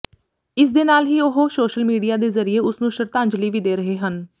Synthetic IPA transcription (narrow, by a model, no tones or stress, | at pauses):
ɪs̬d̪eːnaːlɦiːʊɦosoːʃəlmiːɖijaːd̪eːzəɾieːʊsnũːʃəɾt̪ãːɲd͡ʒliːʋiːd̪eːɾəɦeːɦən